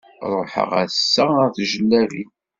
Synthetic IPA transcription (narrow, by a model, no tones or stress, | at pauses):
ɾˤoħə̰ʁæ̰sːæɾθʒəlːæɾi